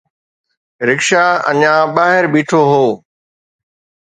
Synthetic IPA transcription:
ɾɪkʃaɐ̰ɲãːɓaːɦɪɾbiːʈʰoɦoː

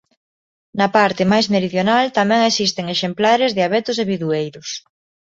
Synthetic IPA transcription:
nɐpaɾt̪ɪmajzmeɾiðjonalt̪amɛ̃ŋesist̪eŋeʃemplaɾezðɪaβet̪ʊseβiðuejɾʊs

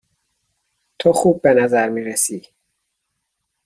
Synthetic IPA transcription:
t̪ʰoxuːbːenæzæɾmiːɾesiː

